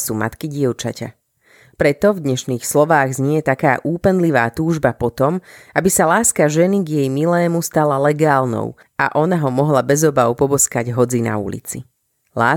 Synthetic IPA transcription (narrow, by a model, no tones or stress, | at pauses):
suːma̰t̪kiɟɪɛʊt͡ʃa̰ca̰ | pɾɛt̪ɔvd̪ɲɛʃniːxslɔʋaːɣzɲɛjɛt̪aka̰ːʔuːpɛnliʋa̰ːt̪uːʒbapɔt̪ɔmʔabisalaːskaʒɛniɡjɛjmilɛːmust̪alalɛɡaːlnɔ̰ʊ | a̰ʔɔnaɦɔmɔɦlabɛzɔbaʊpɔbɔskaɟɦɔd͡zina̰ṵlḭt͡si | laː